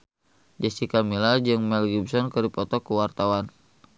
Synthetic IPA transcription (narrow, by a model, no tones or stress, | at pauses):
d͡ʒɛst̪ikamilad͡ʒɨŋmɛlɡibsɔnkərdipɔt̪ɔkəwart̪awan